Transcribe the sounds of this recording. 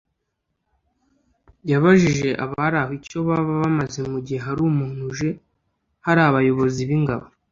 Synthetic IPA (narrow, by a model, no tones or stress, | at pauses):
jaβaʒiʒe̞ʔa̰βaɾahico̞βaβaβamazemuɟihe̞ɦaɾuːmuːn̥uʒe̞ | haɾaβajo̞βo̞ziβiŋɡaβo